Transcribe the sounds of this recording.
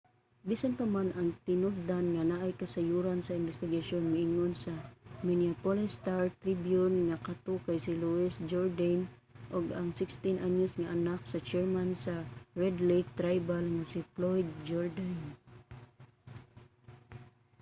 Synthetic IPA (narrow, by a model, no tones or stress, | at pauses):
bisanpamanʔaŋt̪ɪnʊɡ̚d̪anŋanaʔajkasajuɾansaɪnbɛst̪ɪɡaʃonmɪʔɪŋonsamɪniapolɛst̪aɹt̪ɾibjʊnŋakat̪okajsɪluɪsd͡ʒɔɹd̪an | ʔoɡaŋsɪkst̪ɪnʔaɲʊsŋaʔanak̚sat͡ʃɛɹmansaɹɛd̪lejk̚t̪ɾajbalŋasɪflojd̪̚d͡ʒɔɹd̪an